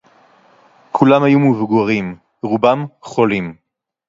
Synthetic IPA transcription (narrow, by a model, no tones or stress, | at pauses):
kʰulamhajumuvɡuʁim | ʁubamχolim